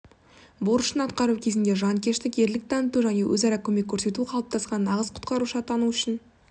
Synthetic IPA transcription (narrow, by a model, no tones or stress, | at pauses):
boɾəʃənɑt̪qɑɾukʲʰe̞zɪnd̪e̞ʒɑnkʲʰe̞ʃt̪ɪke̞ɾlɪk̚t̪ʰɑnət̪uʒæne̞wʔɵ̰zɑɾɑkʲʰɵme̞kʲʰːɵɾse̞t̪uqʰɑlˠp̚t̪ʰɑsqɑnːɑʁəzqʰʊ̥t̪qɑɾuʃɑt̪ʰɑnuʏʃɪn